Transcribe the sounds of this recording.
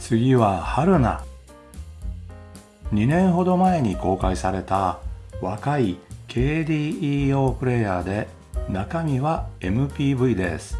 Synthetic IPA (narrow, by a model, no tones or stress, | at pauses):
t͡sɨɡʲiβahaɾɯ̟na̰ | ɲ̟inẽ̞ɰ̃ɦo̞d̪o̞mae̞ɲ̟iko̞ːkaisaɾe̞t̪aβakaikʰe̞ːd̪ʲiːiːo̞ːpɯ̟ɾe̞jad̪e̞ | nakamʲiβae̞mɯ̟pʲiːbɯ̟id̪e̞̰sɨ̥